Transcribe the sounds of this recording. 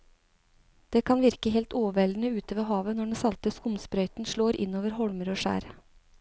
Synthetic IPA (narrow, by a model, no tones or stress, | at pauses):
d̪̥eːkʰɑnʋɪɾkəɦɛːlt̪oːʋɛlnəʉːt̪əʋəɦɑːʋənɔɖesɑlt̪əskʊmspɾœʏt̪n̩ʃɭoːɾʔɪ̰noːʋəɾɦɔlməɾoːʂæ̰ːɾ